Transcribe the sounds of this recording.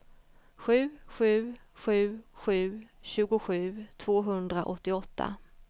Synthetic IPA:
ɧʉ̟ːɧʉ̟ːɧʉ̟ːɧʉ̟ːɕʉ̟ːɡʊɧʉ̟ːt̪ʰv̥oːɦɵnd̪ɾaʔɔt̪ːɪɔt̪ʰːa̰

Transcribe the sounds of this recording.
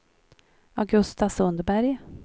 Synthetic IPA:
aɡɵst̪asɵnd̪əbæɾj

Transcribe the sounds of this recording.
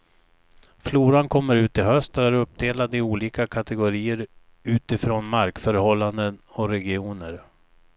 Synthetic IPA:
fluːɾankʰɔmːəɾʉ̟ːt̪ɪɦœst̪əæɾɵp̚ːd̪eːlad̪ɪuːliːkakʰat̪ɛɡʊɾiːəɾ | ʉ̟ːt̪ɪfɾoːnmaɾkfœɾhɔlːand̪ənɔɾɛɡɪuːnəɾ

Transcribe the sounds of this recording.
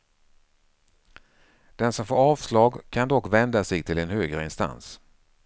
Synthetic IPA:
d̪̥ɛnsɔmfoːɾɑːvslɑːɡkʰand̪ɔkːvɛnd̪asɛɡt̪ʰɪlɛnhøːɡɾəɪnst̪a̰ns

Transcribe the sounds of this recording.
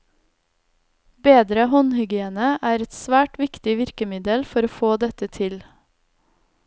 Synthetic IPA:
beːd̪ɾəhɔnhʏɡɪeːnəʔæːɾɛt̪sʋæːʈʋɪkt̪ɪʋɪɾkəmɪd̪əlfɔɾoːfoːd̪ɛt̪ət̪ʰɪl

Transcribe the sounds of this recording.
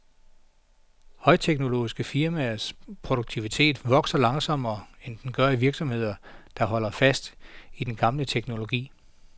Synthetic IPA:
hɒ̽ɪt͡sʰeɡ̥no̝lo̝̰ːisɡ̥əfiɐmæspʰʁoɾ̥oɡ̥̚t͡sʰiʋit͡sʰe̝̰ːd̥ʋɒ̽ɡ̥sɐlɑ̈ŋsɒ̽m̰ɐːend̥enɡ̥ɶɐiʋiɐɡ̥sɒ̽mhe̝ð̰ˠɐd̥ɑ̈ɦɒ̽l̰ɐfæsd̥id̥enɡ̥ɑ̈mlət͡sʰeɡ̥no̝lo̝ɡ̥ḭː

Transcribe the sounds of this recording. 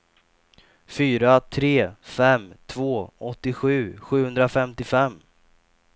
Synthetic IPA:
fyːɾat̪ʰɾeːfɛmt̪ʰvoːɔt̪ːɪɧʉ̟ːɧʉ̟ːhɵnd̪ɾafɛmt̪ɪfɛmː

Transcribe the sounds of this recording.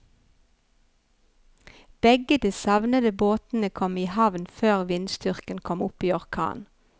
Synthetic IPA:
b̥ɛɡəd̪iːsɑʋnəd̪əboːt̪n̩əkʰɔmiːhɑʋnføːʁʋɪnst̪ʏʁkənkʰɔmʊpiːɔʁkʰɑ̰ːn

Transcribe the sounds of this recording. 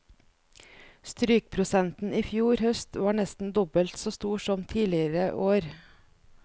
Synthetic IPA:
st̪ɾyːk̚pʰɾʊsɛnt̪n̩ʔiːfjuːɾhœst̪ʋɑːɳɛst̪n̩d̪ɔbəlt̪soːst̪uːʃɔmt̪ʰiːlɪəɾəʔoːɾ

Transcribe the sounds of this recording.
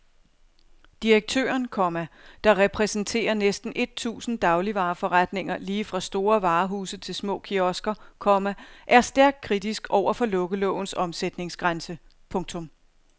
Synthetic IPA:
d̥iʁeɡ̥̚t͡sʰø̰ːɐnkʰɒmæd̥ɑ̈ʁɛpʰʁɛsn̩t͡sʰe̝̰ːɐnesd̥n̩ʔe̝d̥̚t͡sʰṵːsn̩d̥ɑ̈ʊliʋɑ̈ːfɒ̽ʁad̥ne̝ŋ̰ɐliːfʁɑ̈sd̥o̝ːɐʋɑ̈ːɦṵːsð̩ˠt͡sʰe̝lsmɔ̰̽ːkʰiɒ̽sɡ̥ɐkʰɒ̽mæʔæɐsd̥æɐɡ̥̚d̥̚kʰʁidisɡ̥ɒʊ̰ɐfɒ̽lɔ̽ɡ̥əlɔ̰ʊ̰n̩sɒ̽msed̥ne̝ŋsɡ̥ʁansə | pʰɔ̽ŋt͡sʰɔ̽m

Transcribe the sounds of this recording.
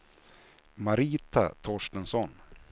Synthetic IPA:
maɾiːt̪a̰t̪ʰɔʂʈənsɔn

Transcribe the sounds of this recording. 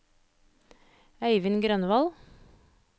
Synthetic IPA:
æɪʋɪnɡɾœnʋɑl

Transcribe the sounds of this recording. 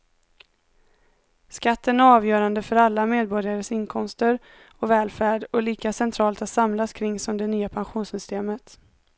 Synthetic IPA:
skat̪ʰːənæɾɑːvjœːɾand̪əfœɾalːameːd̪̚bɔɾjaɾəsɪnkʰɔmst̪əɾ | ɔvɛːlfæːɖɔliːkasɛnt̪ʰɾɑːlt̪at̪samlaskʰɾɪŋːsɔmd̪ɛnyːapʰanɧuːnsʏst̪eːmət̪

